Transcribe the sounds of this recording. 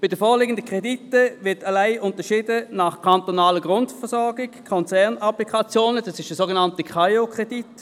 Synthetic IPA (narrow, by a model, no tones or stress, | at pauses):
b̥ɪdəfoːlɪɡən̩dəkʁ̥editəvɪɐtalaɪʔʊntəʃiːdənaχkʰantonaːləɡʁʊntfɛɐsɔɐɡɪkkʰːɔnt͡sɛɐnaplikʰat͡sjoːnəd̥ɑsɪʃdəsoːɡenantəkχajokʁ̥edit